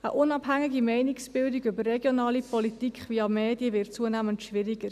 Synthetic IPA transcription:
ə̰ʔʊnɑbɦæŋːiɡimɛɪnɪksb̥ɪldiɡʏbərːɛɡjonɑːlipɔlitikχviɑmeːdjəvɪɾtt͡suənæːməntʃʋɪɾɪɡəɾ

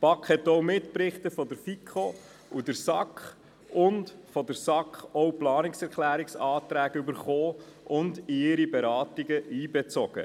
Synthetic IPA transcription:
pɑkχhɛtːɔwmɪtpɾɪχtəfɔdəɾfikʰχo | udəɾsɑkχ | ʊntfɔdəɾsɑkχɔwplɑːnɪksɛɾklæːɾiksɑːtɾæːɡybəɾχoːʔʊndɪɪɾibɛɾɑːtiɡəiːbɛt͡sɔɡ̥ə̰

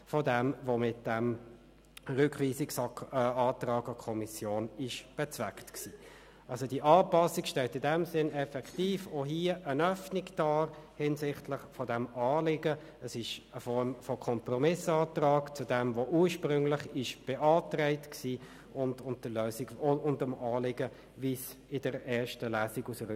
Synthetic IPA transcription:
fɔdɛmvomɪt̚d̥ɛm | ʁʏkχʋiːsɪksɑːt̪rɑːɡɑkʰɔmisjoːnɪʃb̥ɛt͡svæktksiː | ʔɑlsodiːʔɑːpɑsːikʃtɛltɪdɛmsɪnɛfɛktiːfoɦiːəʔənœfnɪɡd̥ɑːhɪnsɪχtlɪχfɔdɛmɑːlɪɡə | əsɪʃəfɔɾmfɔkʰɔmpɾɔmɪsɑːtrɑːkt͡sudɛmvoʔuːɾʃpɾʏŋlɪχɪʃb̥ɛʔɑːtɾɛɪtksiː | ʔʊndʊntəløːsiɡʊndəmɑːlɪɡə | vis | ɪdəɾɛːʃtəlæːsiɡusəɾ

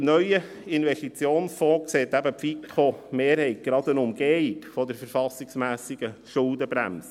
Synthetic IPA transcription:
nœʏə | ɪnvɛʃtit͡sjoːnsfɔːkseːt̪æbəpfikʰχomeːɾhɛɪt̚ɡ̥ɾɑd̪ənʊmɡɛkfɔd̪əɾfəɾfɑsiksmæːsiɡ̥əʃʊld̪əbɾæ̰ms

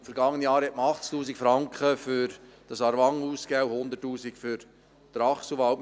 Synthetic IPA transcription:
fəɾɡɑŋːənijɑːɾhɛt̚məɑχt͡sktuːsikfɾɑŋkχəfʏɾd̥ɑsɑɾʋɑŋuːskɛwhʊnd̪ətːuːzikfʏɾ | d̥̪ɾɑχsuvɑl

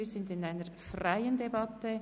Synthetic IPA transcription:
iːzɪndɪnaɪnəɾfraɪəndebɑtə

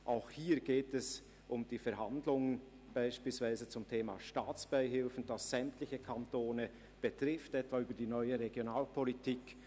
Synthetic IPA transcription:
ʔaʊxhiːɾɡ̥eːtɛs | ʔʊmd̥iːfɛɾɦandlʊŋən | b̥aɪʃpiːlsv̥aɪzət͡sʊmtʰeːma̰ʃtaːt͡sb̥aɪɦɪlfn̩d̥ɑsz̥ɛmtlɪçəkʰantoːnə | b̥ətʁɪftɛtv̥aːyːbɐdiːnɔʏəʁeɡjonaːlpʰɔlitʰiːk

